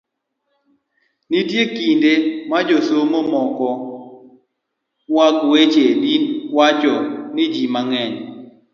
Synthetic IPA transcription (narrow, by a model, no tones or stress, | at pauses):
nɪdjekindemad͡ʒosomomɔkɔ | wakwet͡ʃedinwat͡ʃɔnɪd͡ʒimaŋɛɲ